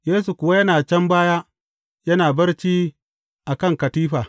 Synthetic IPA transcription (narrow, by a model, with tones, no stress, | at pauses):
jeː˦su˨kʷʊ˨wa˦jɐ˦naː˨t͡ʃɐ˦mbaː˦jaː˦ | jɐ˦naː˨bɐ˦rt͡ʃiː˦ | ʔa˨kɐ˦˨ŋkɐ˨tiː˦ɸaː˨